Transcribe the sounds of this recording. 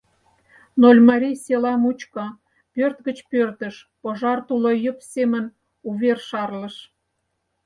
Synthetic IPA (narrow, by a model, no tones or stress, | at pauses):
nolʲmɑɾʲijselɑmut͡ɕkə̆ | pørt̪ɡət͡ɕpørt̪əʃ | poʒɑrt̪ulojəpsemən | uβerʃɑrlə̆ʃ